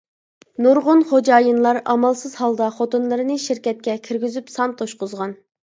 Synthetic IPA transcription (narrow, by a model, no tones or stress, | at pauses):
nuɾʁʊnχod͡ʒɑːjɨnlˠɑɾɑmɑlˠsɨzhɑlˠd̪ɑχot̪unlˠɨɾɨnɨʃiɾkʲɛt̪̚kʲɛkʲʰiɾɡʲizypsɑnt̪ʰoʃqʊzʁɑn